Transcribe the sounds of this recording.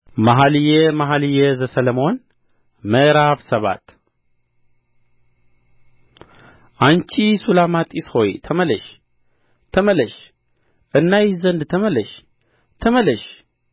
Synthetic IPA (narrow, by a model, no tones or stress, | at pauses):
maɦaljemaɦalɨjezəsələmo̞n | məɾaβsəβa̰t̪ | ʔant͡ʃisulamat̪ʼisho̞jt̪ʰəmələʃ | t̪ʰəmələʃ | ʔɨnːajɪzənd̪t̪ʰəmələʃ | t̪ʰəmələʃ